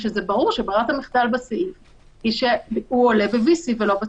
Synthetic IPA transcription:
ʃezebaʁuʁʃebaʁat̪amiχd̪albasif | iʃeuole̞bevisivelo̞be

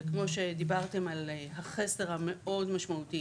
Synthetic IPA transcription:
kmo̞ʃe̞d̪ibaʁt̪e̞malehaχesdeʁhame̞ʔo̞dmaʃmaut̪i

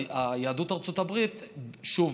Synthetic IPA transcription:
ajaad̪ut̪aʁt͡sot̪abʁit̪ʃuv

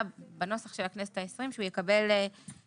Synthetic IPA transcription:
bano̞saχʃe̞laknesetaesʁimʃeujekabe̞l

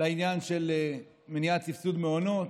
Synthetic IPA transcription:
lainjanʃe̞le | meniatt͡sifsud̪meono̞t̪

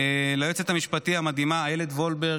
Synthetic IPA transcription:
elajot͡set̪amiʃpat̪ihamad̪imaːjeled̪vo̞lbe

